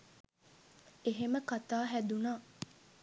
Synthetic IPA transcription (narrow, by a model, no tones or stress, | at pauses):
eɦeməkat̪aːɦæd̪unaː